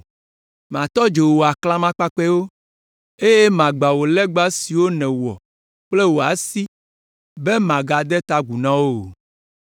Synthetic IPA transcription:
mã˨t̪ɔ˦d͡ʒe˨wo˨a˨kla˦mã˦k͡pa˦k͡pɛ˦wo˦ | e˦je˦mã˨ɡ͡ba˨wo˨lɛ˦ɡ͡ba˦si˨wo˦nɛ̃˨wɔ̰˨ | k͡plɛ˦wo˨a˨si˦ | be˦mã˨ɡa˨d̪ɛ˦t̪a˦ɡu˨nã˦wo˦˨

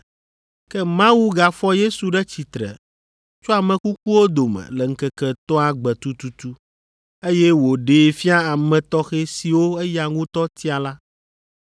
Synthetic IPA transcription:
kɛ˦mã˦wu˦ɡa˨fɔ˦je˦su˨ɖɛ˦t͡ɕi˨t̪ɾɛ̰˨ | t͡ʃo˦a˨mɛ̃˨ku˦k̚u˦wo˦d̪o˨mɛ̰˨lɛ˨ŋ̩˦kɛ˦kɛ˨t̪ɔ˦a˨ɡ͡bɛ˨t̪u˦t̪u˦t̪u˦ | e˦jɛ˦wo˨ɖeː˨fi˦a˦a˨mɛ̃˨t̪ɔ˦xe˦si˨wo˦ɛ˦ja˨ŋũ˦t̪ɔ˦t̪i˦a˨la˦

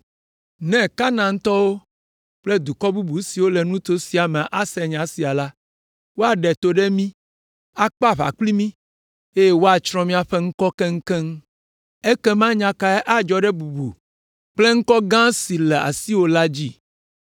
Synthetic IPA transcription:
nɛ̃˨ka˦nã˨ŋ̩˦t̪ɔ˦wo˦ | k͡ple˦d̪u˨kɔ˦bu˦bu˨˦si˨wo˦lɛ˨nũ˦t̪o˦si˨a˨mɛ̃˨ʔa˨sɛ˨ɲã˨˦si˨a˨la˦ | wo˦a˨ɖɛ˨t̪o˦ɖɛ˦mĩ˦ | a˦k͡pa˦˨βa̰˨kli˦mĩ˦ | e˦je˦wo˦a˨t͡ʃɾ̃ɔ̃˦mĩ˦a˨ɸɛ˦ŋ̩˦kɔ˦kɛ˦ŋ̩˦kɛ˦ŋ˦ | e˦kɛ˦mã˦ɲã˦ka˦ɛ˦ʔa˦d͡ʒɔ˨ɖɛ˦bu˨bṵ˨ | k͡ple˦ŋ̩˦kɔ˦ɡã˦si˨lɛ˨a̰˨si˦wo˦la˦d͡ʑi˦

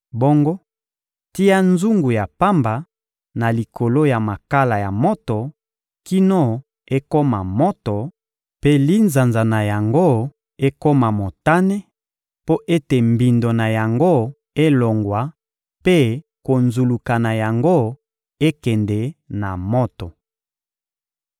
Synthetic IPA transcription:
bo˦ŋɡo˦ | ti˦a˦nzu˦ŋɡu˨ja˨pa˦mba˨ | na˨li˨kʰo˨lo˦ja˨ma˨ka˦la˨ja˨mo˦tɔ˨ | ki˦no˦ | e˦ko˦ma˨mo˦tɔ˨ | pe˦li˦nza˨nza˨na˨ja˨ŋɡo˦ | e˦ko˦ma˨mo˨ta˦nɛ˦ | po˦ʔe˦te˨mbi˨ndo˨na˨ja˨ŋɡo˦ | e˦lo˨ŋɡwa˨ | pe˦ | ko˨nzu˨lu˨ka˨na˨ja˨ŋɡo˦ | e˦kɛ˨ndɛ˨na˨mo˦tɔ˨

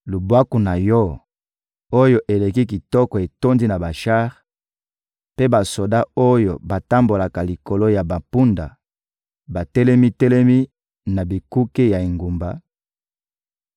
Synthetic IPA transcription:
lu˨bwa˦ku˨na˨jɔ˦ | o˦jo˦ʔe˨le˨ki˦ki˨tɔ˦kɔ˨e˨to˦ndi˦na˨ba˨ʃa˦ʁ | pe˦ba˨so˨da˦o˦jo̰˨ba˨ta˦mbo˨la˨ka˨li˨ko˨lo˦ja˨ba˨pu˦nda̰˨ | ba˨tɛ˦lɛ˦mi˦tɛ˦lɛ˦mi˦ | na˨bi˨ku˦ke˦ja˨e˨ŋɡu˨mba˨

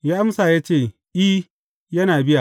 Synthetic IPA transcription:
jaː˦ʔa˦msaː˨jaː˦t͡ʃeː˦˨ | ʔiː˦ | jɐ˦naː˨bɪ˦ja˨

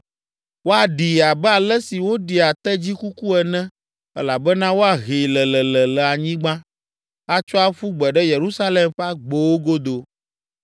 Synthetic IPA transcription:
wo˦a˨ɖi˨a˨bɛ˦a˨lɛ˦si˨wo˦ɖi˨a˨t̪ɛ˦d͡ʑi˦ku˦ku˦ɛ˨nɛ̃˦ | ɛ˦la˨bɛ˦nã˦wo˦a˨ɣi˨lɛ˨lɛ˨lɛ˨lɛ˨a˨ɲĩ˦ɡ͡bã˦ | a˦t͡ʃɔ˦a˦ɸu˦ɡ͡bɛ˨ɖɛ˦je˨ɾu˦sa˦le˨mɸa˦ɡ͡bo˨wo˦ɡo˦d̪o˨

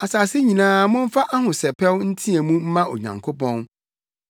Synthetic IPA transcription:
a˨saː˨sɪ˦ɲĩ˨nãː˨˦mʊ̃˦m̩˦fa˦ʔa˦hʊ̃˨sɛ˨pʰɛ˦wn̩˦tʰĩ˦ɛ˨mũ˦m̩˦mã˦o̰˨ɲã̰˨ŋkʰo˦pʰɔ̃˦n

